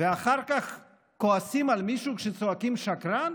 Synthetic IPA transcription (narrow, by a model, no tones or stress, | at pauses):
veaχaʁkaχ | koasimalmiʃukʃet͡soakimʃakɾan